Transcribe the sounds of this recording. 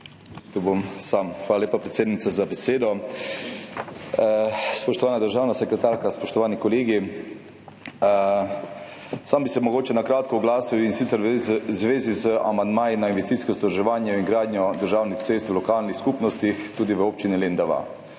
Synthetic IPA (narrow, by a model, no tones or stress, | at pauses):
t̪ubomsamxʋaːlaleːpapɾet̪seːd̪nit̪sazabɛseːd̪ɔ | spɔʃt̪ɔʋaːnad̪əɾʒaːwnasɛkɾɛt̪aːɾkaspɔʃt̪ɔʋaːnikɔleːɡi | sambisɛmɔɡoːt͡ʃɛnakɾaːt̪kɔɔɡlaːsiwinsit̪səɾzʋeːzizəa̰mand̪maːjinainʋɛst̪iskɔsɔd̪ɾʒɛʋaːnjɛiŋɡɾaːd̪nɲjɔd̪əɾʒaːwnixt̪seːst̪wlɔkaːlnixskupnɔst̪ixt̪uːd̪iʋəoːp̚t͡ʃinilend̪aʋa̰